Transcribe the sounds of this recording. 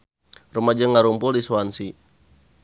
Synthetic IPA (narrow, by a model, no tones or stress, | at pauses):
rəmad͡ʒəŋaɾumpʊldisuansi